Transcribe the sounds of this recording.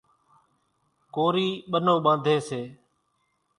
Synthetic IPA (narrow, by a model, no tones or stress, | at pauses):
koːɾiːɓənõːɓãːnd̪ʱeːseː